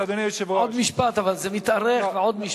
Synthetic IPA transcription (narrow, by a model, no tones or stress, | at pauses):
ad̪oneʃevood̪miʃpat̪avalzemit̪aʁeχveʕod̪miʃ